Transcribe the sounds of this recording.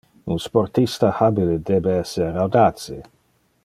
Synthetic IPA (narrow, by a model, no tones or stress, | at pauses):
unsport̪ist̪ahabiled̪ebeɛsːerawd̪aːt̪se